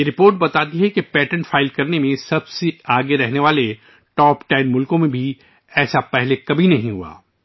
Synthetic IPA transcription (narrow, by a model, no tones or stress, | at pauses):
jeɾɪpoːɾʈ̚bɐt̪aːt̪̬iɦɛkepɛːʈə̃ɳʈfʰaːɪlkɐɾnemẽsɐbseaːɡeɾɛɦneʋaːle | ʈɔːpʈaːɪnmʊlkõmẽbʱi | ɛːsapɛɦlekɐbʱinɐɦĩɦṵa̰ː